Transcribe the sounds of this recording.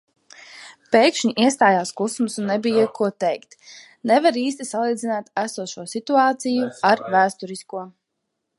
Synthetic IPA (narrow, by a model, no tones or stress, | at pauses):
pɛjkʃɲiʔiɛst̪aːjaːskˠusmusunːɛbijakuɔt̪ɛjkt̪ | nɛvaɾiːs̬t̪isalˠiːd̪zinaːt̪æsuɔʃuɔsit̪uaːt̪sijuaɾvæːst̪ɔɾiskuɔ